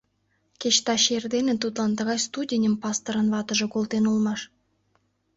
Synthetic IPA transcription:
kʲeʃt̪ɑʃerd̪enĕnt̪ut̪lˠɑnt̪əʁɑjst̪udʲenʲəmpɑst̪oɾənvɑt̪ə̆ʒɤ̆kolˠt̪enulˠmɑʃ

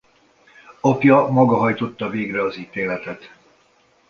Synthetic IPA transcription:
ɒpjɒmɒɡɒɦɒjt̪o̞t̪ːɒveːɡrɛɒziːt̪eːlɛt̪ɛt̪

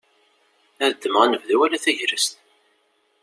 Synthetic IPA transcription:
æðd̪ːəmʁænəvðæwælæθæʝɾəst̪

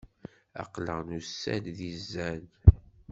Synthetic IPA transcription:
ɑ̰qləʁnusːæ̰lðizːæn

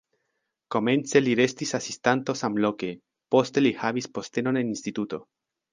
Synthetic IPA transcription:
ko̞me̞nt͡se̞liɾe̞st̪isasist̪ant̪o̞samlo̞ke̞ | po̞st̪e̞lihaβispo̞st̪e̞no̞ne̞ninst̪it̪ut̪o̞̰

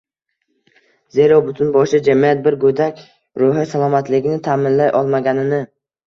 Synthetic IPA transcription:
zeɾɒbʊt̪ʰʊnbɒʃɪd͡ʒamijat̪̚bɪɾɡɵd̪akʲ | ɾʊɦɪsalˠɒmat̪lɪɡʲɪnɪt̪ʰaːmɪnlajʔɒlˠmaɡʲanɪnɪ

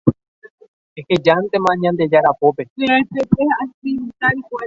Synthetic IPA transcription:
ehed͡ʒant̪e̞mãɲãnd̪e̞d͡ʒaɾapope̞ɾapepeaspimit̪aikʷa

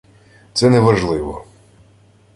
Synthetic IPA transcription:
t̪sɛnɛʋɐʒlˠɪʋɔ̰

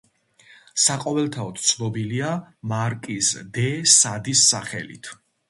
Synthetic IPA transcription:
saqʼɔvɛlˠt̪ʰaɔt̪ʰt̪sʰlɔbiliamaɾkʼisd̪ɛsad̪isːaχɛ̰lḭt̪ʰ

